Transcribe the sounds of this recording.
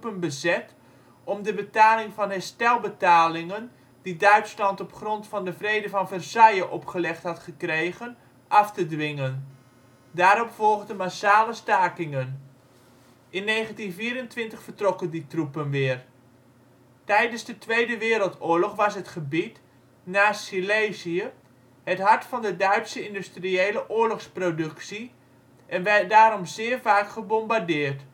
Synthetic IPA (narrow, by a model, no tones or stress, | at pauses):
pənbəzɛt | ɔmdəbətaːlɪŋvɑnɦɛstɛlˠbətaːlɪŋən | didœɥtslɑntɔpχrɔntfɑndəvrejdəvɑnvərsɛjəʔɔpχəlɛχtɦɑtχəkrejɣən | ʔɑftədʋɪŋən | daːɾɔpfɔlˠχdəmasaːləstaːkɪŋən | ʔɪnːeːχəntinfiːɾəntʋɪntəχfərtrɔkənditrupənʋɪːər | tɛjdənzdətʋejdəʋɪːɾəlˠtʊːɹlɔχʋɑsɦətχəbit | naːsileziə | hətɦɑɹtfɑndədœɥtsəɪndystriejləʔʊːɹlɔχsprodɵksi | ʔɛnʋɛdaːɾɔmzɪːərvaːkχəbɔmbardɪːrt